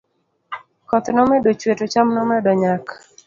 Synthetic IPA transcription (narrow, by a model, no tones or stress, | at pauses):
kɔt̪nɔmɛdot͡ʃwetot͡ʃamnɔmɛdɔɲak